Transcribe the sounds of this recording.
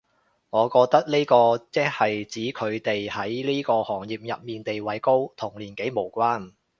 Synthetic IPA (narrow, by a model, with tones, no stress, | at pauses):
ŋɔː˨˧kɔː˧k̚t̪ɐ˥k̚liː˥kɔː˧t͡sɛː˥hɐ˨jt͡siː˨˥kʰɵ˨˧ɥt̪e˨jhɐ˨˥jliː˥kɔː˧hɔː˨˩ŋjiː˨˩p̚jɐ˨p̚miː˨nt̪e˨jwɐ˨˥jko˥wt̪ʰʊ˨˩ŋliː˨˩nke˨˥jmo˨˩wkʷaː˥n